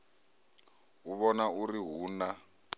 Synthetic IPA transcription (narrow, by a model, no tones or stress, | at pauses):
uβɔnauriɦuːna